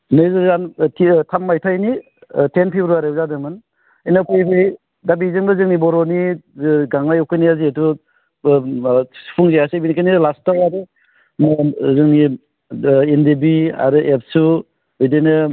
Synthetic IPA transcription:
nɯjzɯzanʰitʰammajtʰajni | tʰenpʰibɾuaɾeuzadɯmɯn | ijnapʰejbɯj | dabizɯŋbɯzɯŋnibɔɾoniɡaŋlajukʰɯjniaziatu | spʰuŋzejasajbinikʰajnilastawaɾɯ | mzɯŋni | endebia̰ɾɯʔep̚su | ɯjdenɯ

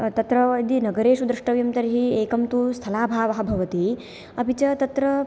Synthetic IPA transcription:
t̪ɐt̪ɾɐid̪inɐɡɐɾeːʂud̪ɾɐʂʈɐʋjɐmt̪ɐɾiɦieːkɐmt̪ust̪ʰɐlaːbʱaːʋɐɦɐ̆bʱɐʋɐt̪i | ɐbit͡ʃɐt̪ɐt̪ɾɐ

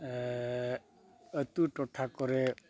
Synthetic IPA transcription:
ət̪uʈɔʈʰakɔɾe

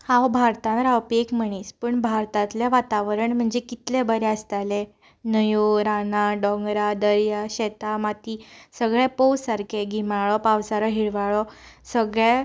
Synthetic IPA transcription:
hãwbʱaɾt̪ãnɾawpiekm̤əɽ̃iːspəɳbʱaɾt̪at̪ljaʋat̪aʋəɾəɳm̤əɳd͡zekit̪lebəɾeəst̪ale | nəjoɾanaɖɔ̃ŋɡɾad̪əɾjaɕɛt̪amat̪iːsəɡɭɛpəwaɾkʰeɡʱimaɭɔpawsaɾɔɦiɭʋaɭɔsəɡɭa

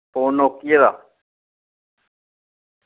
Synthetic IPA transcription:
poːnokieɾa̰

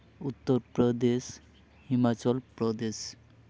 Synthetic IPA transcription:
ut̪ːoɾpɾɔd̪es | himat͡ɕɔlpɾɔd̪eʃ

